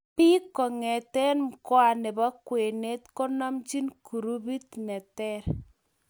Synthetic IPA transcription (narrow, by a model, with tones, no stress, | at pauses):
pi˦kɔ˨ŋɛ˨tɛ˦nmkwa˨nɛ˨bɔ˦kwe˨ne˦t̪kɔ˦nɔ˦mt͡ʃi˦nku˨ɾu˦bi˦t̪nɛ˨tɛ˦ɾ